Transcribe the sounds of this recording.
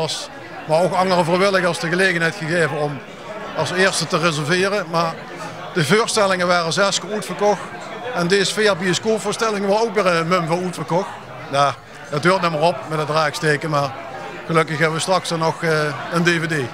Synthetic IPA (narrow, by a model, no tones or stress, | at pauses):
ɑs | maɹokɑŋərəvojʋɪlˠɪɣɑsdəɣəlejɣənɦɛjtxəɣeːvənɔm | ɑlˠsɪːɹstətərɪzəlvɪːrəmaːɹ | d̥əvoːɹstɛlɪŋəʋaːrəzɛskəɹutfərkɔxt | ɛndeːzəfɪːrbiəskoːfʊːɹstɛlɪŋəʋɔdəowkʋɪːɹənəmɵmvɑnutfərkɔxt | jaː | dɑtɦøːɹtnɪməɹɔpmɛtətraːksteːkəmaːɹ | ɣəlɵkəxɦɛbəʋəstrɑksɑnɔxəəndeːvedeː